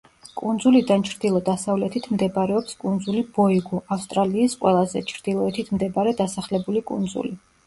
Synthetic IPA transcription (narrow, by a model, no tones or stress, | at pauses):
kʼund̪zulid̪ant͡ʃʰɾd̪ilˠɔd̪asavlɛt̪ʰit̪ʰmd̪ɛbaɾɛɔpskʼund̪zulib̥ɔiɡɔʔafst̪ʼɾaliːsqʼwɛlˠazɛ̰t͡ʃʰɾd̪̥ilˠɔɛt̪ʰit̪ʰmd̪ɛbaɾɛd̪asaχlɛbulikʼṵnd̪zṵli